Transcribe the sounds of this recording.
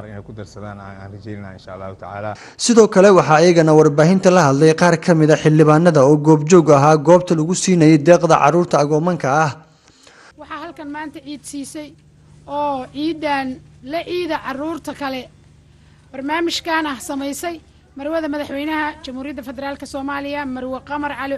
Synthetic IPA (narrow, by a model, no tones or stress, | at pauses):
ɾɪnɛ̰jkʰʊd̪ɐrsɐða̰ːna̰a̰ːnrɛt͡ʃɛjnɪna̰ːɪnʃa̰ɐlːaːhut̪ʰɐʕa̰ːlaː | sɪðɔːkʰɐlɛwɑħɑːjɐɣɐnɐwɑrbaːɦɪnt̪ʰɐlɐɦɐd̪lɛjqɑːrkʰɐmɪðɐħɪlːɪβaːnːɐðɐɔːɡɔːbt͡ʃɔɡɐɦaːɡɔːb̚t̪ʰɐlɐɣʊsiːnɐjɛjd̪ɛːqd̪ɐ̰ʕɑ̰ruːrt̪ʰɐːɣɔːmɐŋkʰɐːh | wɑħɑːhɐlkʰɐnmaːnt̪ʰɐʕiːd̪siːsɛj | ɔːʕiːdaːnlɐʕiːðɐʕɑruːrt̪ʰɐkʰɐlɛ | b̥ɐrnaːmɪʃkʰɐːnɐhsɐmɛjsɛj | mɐɾwɐðɐmɐðɐħwɛjnɐɦɐt͡ʃɐmhuːɾɪjɐðɐfɛðɛɾaːlkʰɐsɔːmaːlɪjɐmɐrwɐqɑmɐrʕɑlɪ